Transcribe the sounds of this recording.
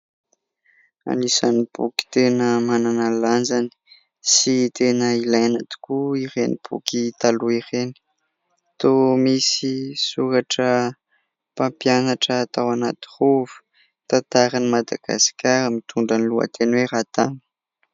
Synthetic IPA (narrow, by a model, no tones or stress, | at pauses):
a̰nisanib̥uki̥t̪enəmananaland͡ʒani̥ | sit̪enəilajanat̪u̥kuiɾenib̥ṵkit̪aluireni̥ | t̪omisisuɾaʈ͡ʂə | pãmpjanaʈ͡ʂəːt̪awanat̪i̥ruvu̥ | t̪at̪aɾanimad̪a̰ɡ̥a̰si̥kʲaɾəmit̪ʰuɳɖ͡ʐanilua̰t̪ʰenweɾat̪anə̥